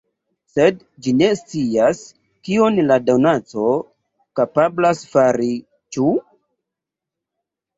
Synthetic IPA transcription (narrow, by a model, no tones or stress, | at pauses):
sed | d͡ʒine̞st͡sias | kio̞nladawnat͡so̞ | kapablasfaɾi | t͡ʃu